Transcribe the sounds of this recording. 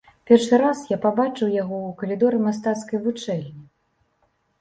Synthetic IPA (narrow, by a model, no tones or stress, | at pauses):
pʲɛrʂɨɾasjapabat͡ʂɨwjaɣɔukɐlʲid̪ɔɾɨmas̬t̪at̪skɐjvut͡ʂɛlʲnʲi